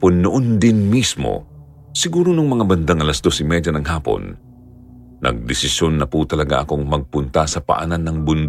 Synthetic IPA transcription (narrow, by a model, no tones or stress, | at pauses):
ponːʊʔond̪ɪnmismo̰ | sɪɡuːɾonʊŋmɐŋabɐnd̪aŋʔɐlɐsd̪o̞sɪmɛdɐnɐŋɦaːpo̞̰n | ʔɐ̰ɡ̚d̪ɪsɪsjonːɐput̪ɐlɐɡa̰ʔɐko̞ŋmɐɡ̚pʊnt̪asɐpɐ̰ʔa̰nanːɐŋbʊnd̪